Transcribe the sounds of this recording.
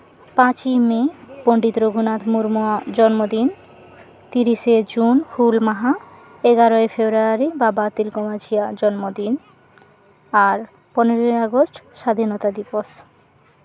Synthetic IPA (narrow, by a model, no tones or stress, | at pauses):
pãt͡ɕimepoɳɖit̪ɾoɡʱunat̪muɾmuad͡ʑɔnmod̪in | t̪iɾiʃed͡ʑunhulmaɦa | eɡaɾoefebɾuaaɾibabat̪ilkomad͡ʑijad͡ʑɔnmod̪in | aɾ | pɔneɾoeaɡosʈʃad̪ʱinɔt̪ad̪ipos